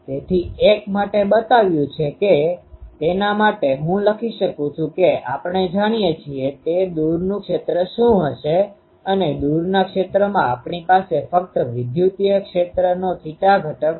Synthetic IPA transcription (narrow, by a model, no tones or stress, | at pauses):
t̪et̪ʰiʔekmaʈebət̪aʋjũt͡ʃʰeket̪enamaʈeɦũləkʰiʃəkũt͡ʃʰũkeapəɳed͡ʒaɽ̃ijet͡ʃʰiet̪ed̪uɾnũkʃet̪ɾəʃũɦəʃe | əned̪uɾnakʃet̪ɾəmãapɳipasefək̚t̪əʋɪd̪jut̪ijəkʃet̪ɾənot̪ʰiʈ̪aɡʱəʈək